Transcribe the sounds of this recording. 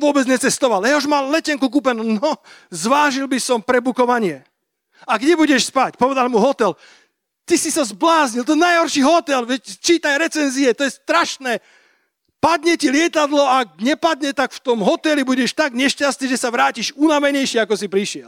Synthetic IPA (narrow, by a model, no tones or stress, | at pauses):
ʋʊɔbɛd͡zɲɛt͡sɛst̪ɔʋaljɛɦɔʒmallɛcɛŋkuk̬upɛnunɔzʋaːʒilbisɔmpɾɛbukɔʋaɲɪɛ | aɡɲɛbuɟɛʃspacpɔʋɛd̪almuɦɔt̪ɛl | t̪isisazblaːzɲilt̪ɔjɛnajɦɔɾʃiːɦɔt̪ɛlʋɛct͡ʃiːt̪ajɾɛt͡sɛnziɛt̪ɔjɛst̪ɾaʃnɛː | pad̪ɲɛcilɪɛt̪ad̪lɔaɡ̚ɲɛpad̪ɲɛt̪akft̪ɔmɦɔt̪ɛlibuɟɛʃt̪aɡɲɛʃcast̪iːʒɛsaʋɾaːciʃunamɛɲɛjʃɪɛakɔsipɾiʃɪɛl